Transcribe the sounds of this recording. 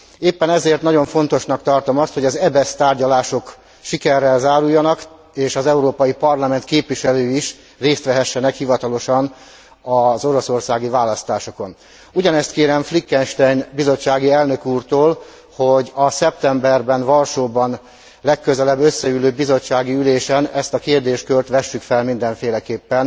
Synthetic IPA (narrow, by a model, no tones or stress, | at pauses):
eːpːɛnɛzeːrt̪nɒɟo̞ɱfo̞n̪t̪o̞ʃnɒkt̪ɒrt̪o̞mɒst̪ho̞ɟɒzɛbɛst̪aːrɟɒlaːʃo̞k | ʃikɛrːɛlzaːɾujːɒnɒk | eːʃɒzɛuɾoːpɒjipɒrlɒmɛnt̪keːpʋiʃɛløːiʃ | reːst̪ʋɛɦɛʃːɛnɛkhivɒt̪ɒlo̞ʃɒn | ɒzo̞ɾo̞so̞rsaːɡivaːlɒst̪aːʃo̞ko̞n | uɟɒnɛst̪keːɾɛɱflikːɛnʃt̪ɛjnbizo̞t͡ʃːaːɡiɛlnø̞kuːrt̪oːl | ho̞ɟɒsɛp̚t̪ɛmbɛrbɛnvɒlʃoːbɒn | lɛkːøzɛlɛbːø̞sːɛyløːbːizo̞t͡ʃːaːɡiyleːʃɛnɛst̪ɒkeːrd̪eːʃt̪̚kølt̪ʋɛʃːykfɛlmind̪ɛɱfeːlɛkeːpːɛn